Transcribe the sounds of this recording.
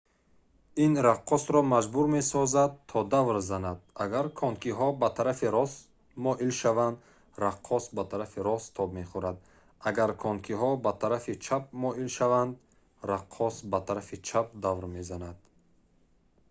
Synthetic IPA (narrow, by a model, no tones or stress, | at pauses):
inɾaqʰːɔsɾɔmad͡ʒbuɾme̞sɔzad̪̚t̪ʰɔd̪avɾzanad̪̚aɡaɾkʰɔnkʰiɦɔbat̪ʰaɾafiɾɔs | mɔʔilʃavand̪ | ɾaqʰːɔsbat̪ʰaɾafiɾɔst̪ʰɔbme̞χuɾad̪ | aɡaɾkʰɔnkʰiɦɔbat̪ʰaɾafit͡ʃʰap̚mɔilʃavand̪ | ɾaqʰːɔsbat̪ʰaɾafit͡ʃʰap̚d̪avɾme̞zanad̪̥